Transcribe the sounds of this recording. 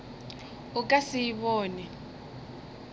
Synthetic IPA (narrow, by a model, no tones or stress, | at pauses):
ukʼasijiɓɔːnɛ